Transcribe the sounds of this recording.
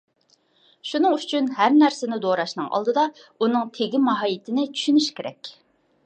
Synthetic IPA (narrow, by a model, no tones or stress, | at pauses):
ʃunɨŋyt͡ʃʰynɦæɾnæɾsɪnɪd̪oɾɑʃnɨŋʔɑ̰lˠd̪ɨd̪ɑunɨŋt̪ʰeɡʲimɑɦɑjɪt̪ʰɪnɪt͡ʃʰy̥ʃynyʃkʲʰeɾɛ̰kʲ